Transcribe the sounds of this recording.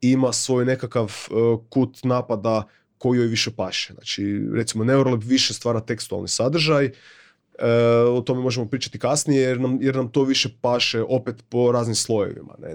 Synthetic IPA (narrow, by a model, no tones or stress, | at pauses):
imasʋo̞ːjne̞kakaʋkut̪naːpad̪a | ko̞jijojʋiʃepaːʃezna̰ːt͡ʃiɾet̪simo̞ne̞uɾolepʋiʃest̪ʋaːɾat̪e̞kst̪ua̰lˠnisad̪r̩ʒaj | əot̪o̞memo̞ʒemo̞pɾiːt͡ʃḁt̪ikasnijejeɾnamjeɾnamt̪o̞ːʋiʃepaːʃeʔo̞pet̪po̞ɾaːznimslˠo̞jḛʋḭma̰nḛ